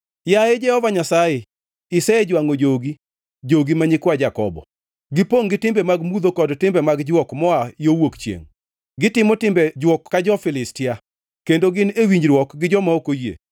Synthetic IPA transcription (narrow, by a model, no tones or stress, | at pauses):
jaed͡ʒɛhɔvaɲasajɛ | ɪsɛed͡ʒwaŋod͡ʒoɡi | d͡ʒoɡimaɲɪkwad͡ʒakɔ̰bɔ̰ | ɡɪpoŋɡɪtɪmbɛmaɡmud̪okɔdtɪmbɛmaɡd͡ʒwɔkmɔajowokt͡ʃjḛŋ | ɡɪtɪmɔtɪmbɛd͡ʒwɔkːad͡ʒɔfɪlɪstɪja | kendoɡɪnewiɲd͡ʒɾwɔkɡɪd͡ʒɔmaokojḛ